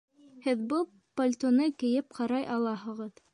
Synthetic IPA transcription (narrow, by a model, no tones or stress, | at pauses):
hɘðbɤlˠ | pɐlʲt̪onɤkɘ̆jɘp̚qɑɾɑjʔɑlˠɑɦɤ̆ʁɤð